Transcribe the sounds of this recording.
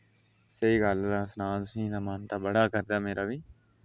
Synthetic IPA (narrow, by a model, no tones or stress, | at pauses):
səiːɡəld̪aːsnaːt̪ʊsĩːd̪aːmənt̪aːbəɽaːkəɾd̪aːmeːɾaːʋiː